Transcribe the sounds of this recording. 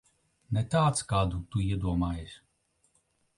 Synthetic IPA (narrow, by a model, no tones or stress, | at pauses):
nɛt̪aːt̪skaːd̪ut̪uiɛd̪uɔmaːjesʲ